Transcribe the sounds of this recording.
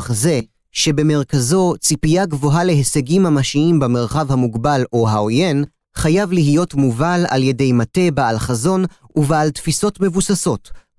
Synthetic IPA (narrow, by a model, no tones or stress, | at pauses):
χze̞ | ʃe̞be̞me̞ʁkazo̞t͡sipijaɡvo̞ɦale̞ɦeseɡimhamaʃiimbeme̞ʁχavhamuɡbaloɦaoje̞n | χajavlihijo̞tmuvala̰lje̞dejmate̞baalχazo̞n | uvealtfiso̞tme̞vusaso̞t